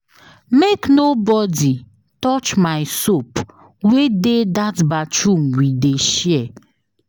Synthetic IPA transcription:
meknobɔdi | tɔt͡ʃmaɪsop | wededatbat͡ʃuŋ̩wideʃɛ

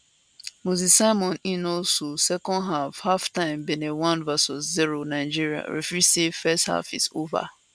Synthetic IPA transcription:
muzisaɪmɔ̃ninososɛkɔ̃nɦafhaftãɪ̃mbenewãnvɛsɔsziɾonaɪd͡ʒiɾia̰ɾḛfisefɛstha̰fḭsova̰

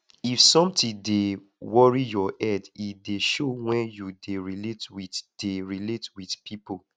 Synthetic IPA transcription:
ifsɔ̃mtĩde | wɔɹijɔʔɛdideʃowɛ̃njudeɹiletwidd̥eɹiletwidpʰipʰo

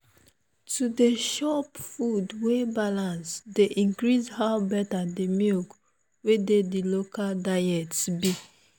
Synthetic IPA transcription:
tudeʃɔpfudwebalãnsdeʔĩŋkɾizhaʊbɛtadimjuk | wededilokaldaɛtsbi

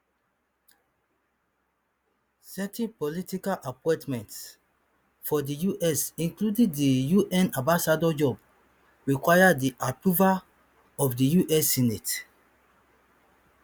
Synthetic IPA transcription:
sɛtʰɛ̃npɔlitikalʔapɔ̃tmɛ̃nts | fɔdijuʔɛsĩnkludĩŋdijuʔɛ̃nãmbasadɔd͡ʒɔb | ɹikwajadiʔapɹuval | ɔfdijuʔɛsinet

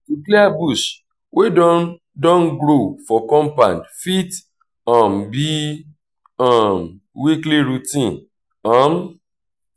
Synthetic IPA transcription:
ikleabuʃ | wʔedɔ | dɔ̃nɡɾofɔkɔ̃mpãndfit | ɔ̃mbi | ãm | wikliɾutĩn | ãm

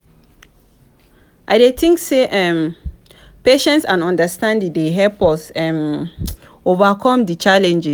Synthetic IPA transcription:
ʔa̰ɪdetʰĩŋkseʔɛ̃m | peʃɛ̃ntsãnɔ̃ndastãndĩdeɦɛpɔsɛ̃m | ovakʰɔ̃mdit͡ʃalɛ̃nd͡ʒis

